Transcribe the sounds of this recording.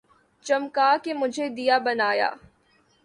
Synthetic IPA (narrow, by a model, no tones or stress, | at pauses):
t͡ʃɐmkaːkemʊd͡ʒʱed̪ijabɐnaːja̰ː